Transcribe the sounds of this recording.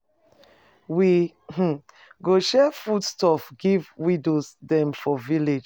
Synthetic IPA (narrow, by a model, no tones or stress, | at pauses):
wi | h̩ | ɡoʃɛfudstɔfɡivwidosdɛ̃mfɔviled͡ʒ